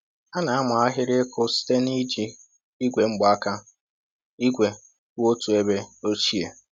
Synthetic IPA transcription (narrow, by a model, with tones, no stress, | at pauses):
a˦na˨a˦ma˨a˦ɦɪ˦ɾɪ˦kʰʊ˦si̥˦te˦ni˦d͡ʒi˦ | i˦ɡʷe˨ŋ͡m̩˦ɡ͡ba˦ka˦ | i˦ɡʷe˨˦ | o˦tu˨e˦be˦o˦t͡ʃi˦e˨